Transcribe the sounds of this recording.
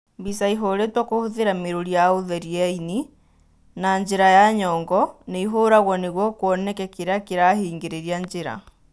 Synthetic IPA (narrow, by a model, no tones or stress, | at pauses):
mbisaiɦoɾetwɔkohoðeɾameɾoɾiaoðɛɾiaini | naɲd͡ʑeɾajaɲɔːŋɡɔneiɦoːɾaɣwɔneɣwɔkwɔnɛkɛkeɾakeɾahiːŋɡeɾeɾiaɲd͡ʑeɾa̰